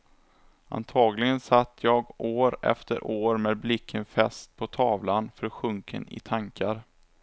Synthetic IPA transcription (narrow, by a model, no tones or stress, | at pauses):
ʔa̰nt̪ʰɑːɡlɪɡənsat̪ʰːjɑːɡoːɾɛ̰ft̪ʰə̰ɾʔoːɾmeːd̪̚blɪkʰːənfɛst̪̚pʰɔt̪ʰɑːvlanfœɾɧɵŋkʰə̰nɪ̰t̪ʰaŋkʰaɾ